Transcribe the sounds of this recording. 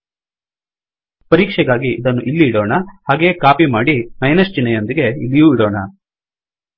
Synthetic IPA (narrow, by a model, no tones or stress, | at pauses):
pɐɾiːkʂɛɡaːɡiʔːd̪ɐnːuʔilːiːɽoːɳɐhaːɡe̞ːkaːpimaːɽimɐjnɐst͡ʃinɐjo̞nd̪iɡe̞ilːijuːiɽoːɳɐ